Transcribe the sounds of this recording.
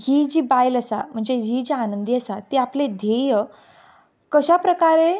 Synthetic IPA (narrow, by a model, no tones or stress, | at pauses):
ɦid͡ʑiːbajləsa̰m̤əɳd͡zed͡ʑid͡ʑianənd̪iəsat̪iapled̪ʱejə | kəɕapɾəkaɾe